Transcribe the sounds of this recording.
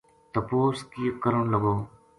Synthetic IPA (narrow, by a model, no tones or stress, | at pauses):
t̪əpoːskiːkəɾəɳləɡoː